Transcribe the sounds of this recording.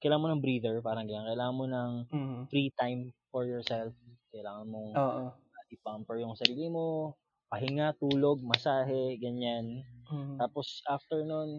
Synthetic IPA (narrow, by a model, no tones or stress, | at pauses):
kɐjlaːŋɐnmonɐŋbɾiːd̪ɛɹpaːɾɐŋɡɐɲaŋkɐʔɪlaːŋɐnmonɐŋfɾit̪ajmfɔɹjɔɹsɛlfkɐjlaːŋɐnmoŋoːʔo | ad̪ipampɛɹjʊŋsɐɾiːlɪmo | pɐɦɪŋat̪uːlo̞ɡ̚mɐsaːɦɛɡɐɲant̪aːposʔaft̪ɛɹnon